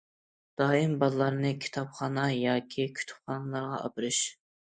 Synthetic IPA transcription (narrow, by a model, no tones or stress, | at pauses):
d̪̥ɑːimbɑlˠlˠɑɾnɨkʲʰi̥t̪ʰɑpχɑːnɑjɑːkʲʰikʲʰy̥t̪ʰy̥p̚χɑːnɨlˠɑɾʁɑʔɑ̰bɨɾɨʃ